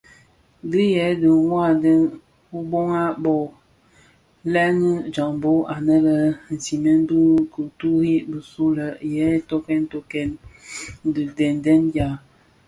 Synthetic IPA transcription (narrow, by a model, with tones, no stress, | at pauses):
di˦jɛ˨˦də˨ŋwa˦˨dɛ˦n | u˦bo˦ŋa˦bɔ˨ | lɛ˦nə˦d͡ʒa˨ŋbo˦ʔa˨nə˦lə˦n̩˨si˨mɛ˦n˦bu˦ku˨tu˦ɾi˦bə˨su˦lə˨jɛ˨˦to˦kɛ˦n˦to˦kɛ˦n˦ | də˨dɛ˨ndɛ˦nda˨